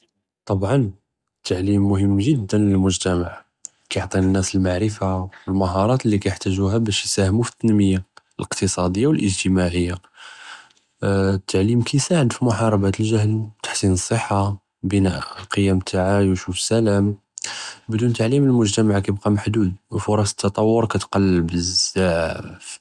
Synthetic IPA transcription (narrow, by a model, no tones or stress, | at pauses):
t̪ˤɑbʕɑn | t̪ʰːaʕlimːʊhəmːʒəd̪ːənləlmʊʒt̪æmaʕ | kæjoʕt̪ˤinənːæsəlmaʕɾəfawəlmæɦɑɾˤɑt̪əlːikæjəħt̪æʒuhæbæʃjsæhmufə̥t̪ːænməjːaəlʔəqt̪əsˤɑd̪əjːawəlʔəʒt̪əmaʕəjːa | t̪ʰːaʕlimkʰæjsaʕəd̪fimʊħɑɾˤɑbæt̪əlʒæhnt̪ḁħsinəsˤːəħːa | bənæʔəlqʰəjːæmt̪ʰaʕajəʃufə̥sælæm | bd̪unt̪aʕliməlmʊʒt̪æmaʕkæjəb̚qɑmaħd̪ud̪wfʊɾˤɑsə̥t̪ʰːɑt̪ˤɑwːʊɾkæt̪qɑlːbəzaʕf